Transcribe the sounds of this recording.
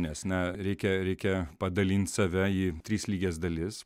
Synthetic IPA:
nʲɛsnʲɛɾʲɛɪkʲɛɾʲɛɪkʲɛpɐd̪ɐlʲinʲt̪ʲsɐʋʲɛiːt̪ʲɾʲiːslʲiːɡʲeːsd̪ɐlʲɪs

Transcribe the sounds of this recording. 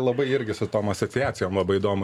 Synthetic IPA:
lˠɐbɐɪɪɾʲɡʲɪsʊt̪oːmɐsot͡ssʲɪæːsʲɪjoːmlˠɐbɐɪɪd̪oːmʊ

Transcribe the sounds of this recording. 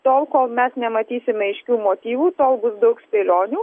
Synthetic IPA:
t̪oːlˠkoːlˠmʲɛsnʲɛmɐt̪ʲiːsʲɪmʲɛɪʃʲkʲuːmoːt̪ʲiːʋuːt̪oːlˠbʊsd̪ɐʊksʲpʲeːlʲoːnʲuː

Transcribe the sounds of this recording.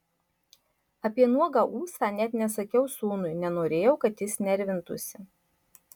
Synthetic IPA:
ɐpʲiɛnuɔɡɑʔuːsɑːnʲɛt̪ʲnʲɛsɐkʲɛʊsuːnʊɪnʲɛnoːɾʲeːjɛʊkɐt̪jɪsnʲɛɾʲʋʲɪnt̪ʊ̰sʲɪ

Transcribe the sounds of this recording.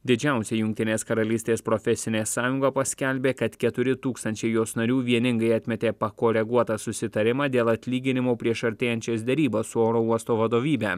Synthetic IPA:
d̪ʲɪd͡ʒʲæˑʊsʲeːjʊŋʲk̚ʲt̪ʲɪnʲeːskɐɾɐlʲiːsʲt̪ʲeːspɾofʲɛsʲɪnʲeːsɑːjʊŋɡɐːpɐsʲkʲɛlʲbʲeːkɐt̪kʲɛt̪ʊɾʲɪt̪uːkst̪ɐnʲt͡ʃʲɛɪjoːsnɐɾʲuːʋʲiɛnʲɪŋɡɐɪɐt̪ʲmʲɛt̪ʲeːpɐkoːɾʲɛɡuɔt̪ɑsʊsʲɪt̪ɐɾʲɪmɑːd̪ʲeːlˠɐt̪ʲlʲiːɡʲɪnʲɪmoːpʲɾʲiɛʃɐɾʲt̪ʲeːjɛnʲt͡ʃʲoːsd̪ʲɛɾʲiːbosʊoːɾoːuɔst̪oːʋɐd̪oːʋʲiːbʲɛː

